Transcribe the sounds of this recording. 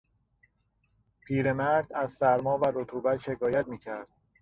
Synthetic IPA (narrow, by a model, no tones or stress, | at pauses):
pʰiːɾe̞mæɾd̪̥æzsæɾmɒːvæɾot̪ʰuːbæt̪ʃe̞kɒːjæt̪̚miːcʰæɾd̪̥̚